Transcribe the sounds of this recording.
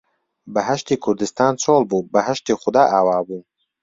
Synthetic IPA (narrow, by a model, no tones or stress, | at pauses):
bɐɦɐʃt̪iːkʰʊɾd̪ɨst̪aːnt͡sʰoːlˠbuːbɐɦɐʃt̪iːχʊd̪aːʔaːwaːbuː